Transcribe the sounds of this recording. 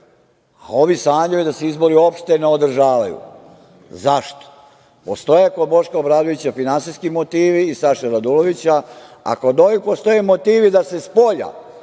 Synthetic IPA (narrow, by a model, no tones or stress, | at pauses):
a̰o̞ʋisaːɲujed̪aseizbo̞ɾio̞pʃt̪eneo̞d̪r̩ʒaːʋajṵ | zaʃt̪o̥ | po̞st̪o̞jekod̪bo̞ʃkaobɾaːd̪oʋit͡ɕafinansijskimo̞t̪iːʋiːsaʃaɾad̪ulo̞ʋit͡ɕaa̰ko̞d̪oʋipo̞st̪o̞jemot̪iːʋid̪ase̞spo̞ʎa̰